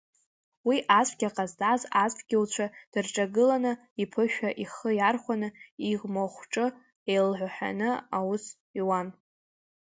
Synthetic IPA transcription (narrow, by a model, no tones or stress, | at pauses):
wiʔasʷʰʼɡʲaqʼazdʼazasʷʰɡʲɪlt͡ɕʷʰad̥ɨrʈ͡ʂʼaɡɨlanɨ | ipʰɨʃᶣaʔiχəjarχʷanɨiʁmoχʷʈ͡ʂʼɨ | ejlʕʷaħʷᶣa̰nɨawʊs | iwan